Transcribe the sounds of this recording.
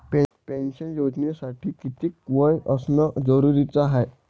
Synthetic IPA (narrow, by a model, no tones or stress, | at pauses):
pɛpɛ̃nɕənjod͡znesaʈʰiːkit̪iːkʋəjəsnəd͡zəɾuɾit͡saɦaj